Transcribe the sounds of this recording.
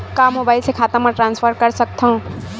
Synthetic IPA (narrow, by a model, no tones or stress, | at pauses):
kamobajsekʰat̪amaʈɾanspʰʌɾkʌɾsʌk̚t̪ʰʌw̃